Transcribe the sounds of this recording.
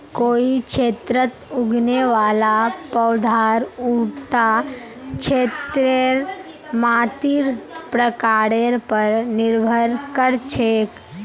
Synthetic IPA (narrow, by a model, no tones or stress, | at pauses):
koːikʃʰeːt̪ɾət̪uɡneʋalapəwd̪ʱaɾuʈt̪a | kʃʰet̪ɾeɾ | maːt̪iːɾpɾəkaɾeɾpəɾnɪɾbʱəɾkəɾt͡ʃʰeːk